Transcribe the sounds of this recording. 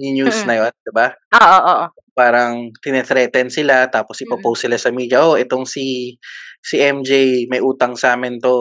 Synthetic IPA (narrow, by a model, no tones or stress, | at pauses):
nɪɲjusnɐjond̪ɪbaʔoːʔoʔoːʔ | paːɾɐŋt̪ɪnɛt̪ɾɛːt̪ɛnsɪlat̪aːpo̞sʔɪpɐpowsɪlasɐmiːd͡ʒɐʔoʔɛt̪o̞ŋsi | siʔɛmd͡ʒejmɐjʔuːt̪ɐŋsaːmɪnt̪o̞